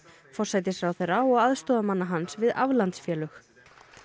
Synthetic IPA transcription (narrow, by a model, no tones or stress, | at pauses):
fɔr̥sajt̪ɪsɾawθɛjɾaɔɣaðst̪ɔːðamanːaɦansvɪða̰vlant̪sfjɛːlʏx